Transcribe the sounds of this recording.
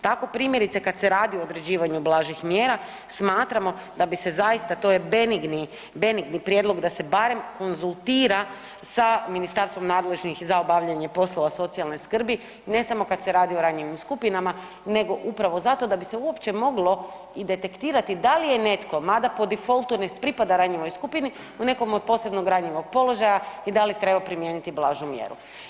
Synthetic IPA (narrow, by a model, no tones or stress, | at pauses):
t̪ako̞pɾiːmje̞ɾit̪sekad̪seɾaːd̪iooːd̪ɾed͡ʑiːʋaɲublˠaːʒixmjeːɾa | smaːt̪ɾamo̞ | d̪abise̞zajist̪at̪o̞je̞beniɡni | be̞niɡnipɾjed̪lo̞ɡd̪ase̞baɾe̞mko̞nzulˠt̪iːɾa | saminist̪aɾst̪ʋo̞mnaːd̪le̞ʒnixzaobaʋʎaɲepo̞slˠo̞ʋaso̞t̪sialˠne̞skr̩bi | ne̞samo̞kad̪seɾaːd̪io̞ɾaɲeʋimskupinama | ne̞ɡo̞ʔupɾaʋo̞zat̪o̞d̪abiseuo̞pt͡ɕe̞mo̞ɡlo̞ | id̪e̞t̪e̞kt̪iːɾat̪id̪alije̞ne̞t̪ko̞mad̪apo̞d̪ifo̞lˠt̪unepɾipad̪aɾaɲeʋo̞jskupini | une̞ko̞mod̪̚po̞ːse̞bnoɡɾaɲiʋo̞ɡ̚po̞lˠo̞ʒajaid̪alit̪ɾe̞bapɾimje̞ːnit̪iblˠaːʒumjḛɾṵ